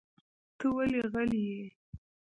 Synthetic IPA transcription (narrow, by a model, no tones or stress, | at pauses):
t̪əwaleɣəlije